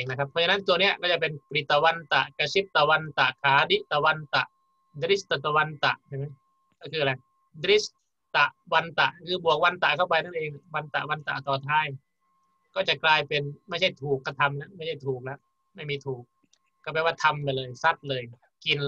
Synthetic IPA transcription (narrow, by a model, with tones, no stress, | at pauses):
ŋna˦˧kʰp̚ʰːɔ˧t͡ɕa˧na˦˥˨t̪u˧əni˦˥ɐkɔ˥˩t͡ɕa˨˩pe˧npɾi˨˩t̪ːa˧wa˧nt̪a̰˨˩ʔka˧si˦˥p̚t̪a˧wa˧nt̪a˨˩ʔkʰaː˨˦di˧˥ʔt̪a˧wa˧nt̪a̰˨˩ʔ | d̪ɾi˦˥st̪a˨˩t̪a˧wa˧nt̪a̰˨˩ʔt͡ɕʰa˧˩jma˦˥j | kɔː˥˩kʰɯː˧la˧j | d̪ɾi˦˥s | t̪a˨˩ʔwa˧nt̪a̰˨˩ʔkʰɯː˧bu˨˩ək̚wa˧nt̪a̰˨˩ʔkʰa˧˥˩wpa˧jna˥˩nʔeː˧ŋa˨˩wa˧nt̪a̰˨˩ʔwa˧nt̪a̰˨˩ʔt̪ɔː˧˩t̪ʰaː˧˥˩j | kɔː˥˩t͡ɕa˨˩klaː˧jpe˧nma˥˩jt͡ɕʰa˥˩jt̪ʰuː˨˩kːa˧˩t̪ʰa˧mna˦˥ma˥˩jt͡ɕʰa˥˩jt̪ʰuː˨˩k̚lɛ˦˧˥ʔ | ma˥˩jmiː˧t̪ʰuː˨˩k̚ | kːaː˧˩bɛː˧˩waː˥˩t̪ʰa˧mlaː˧jlɤː˧jsa˦˥˩t̪̚lɤː˧j | ki˧n